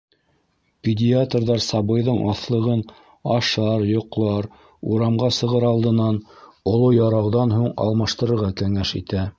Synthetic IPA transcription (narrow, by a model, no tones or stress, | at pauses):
pʲɪdʲiat̪rðɑɾsɑβɤ̆jðɤɴʔɑ̰θlˠɤ̆ʁɤn | ɑʃɑɾjŏqlˠɑɾ | uɾɑmʁɑsɤ̆ʁɤɾɑlˠd̪ɤ̆nɑnŏlˠojɑɾɑwðɑnɦuɴɑ̰lˠmɑʃt̪ɤ̆ɾɤ̆ɾʁɑkæŋæʃḭt̪æ